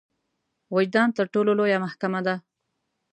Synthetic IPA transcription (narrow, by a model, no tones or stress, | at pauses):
wad͡ʒd̪ɑnt̪əɾʈololojamahkamad̪a